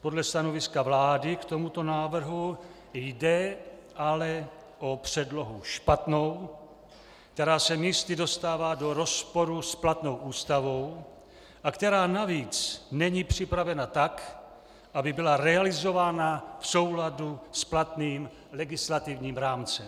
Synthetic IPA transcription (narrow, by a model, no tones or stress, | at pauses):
po̞dlɛst̪ano̞vɪskavlaːdɪkt̪o̞mut̪o̞naːvr̩ɦu | jdɛ | ʔalɛ | ʔo̞pr̝̥ɛdlo̞ɦuʃpat̪no̞w | k̚t̪ɛɾaːsɛmiːst̪ɪdo̞st̪aːvaːdo̞ɾo̞spo̞ɾusplat̪no̞wʔuːst̪avo̞w | ʔakt̪ɛɾaːnaviːt͡snɛɲiːpr̝̥ɪpɾavɛnat̪ak | ʔabɪbɪlaɾɛalɪzo̞vaːnafso̞wladusplat̪niːm | lɛɡɪslat̪ɪvɲiːmɾaːmt͡sɛm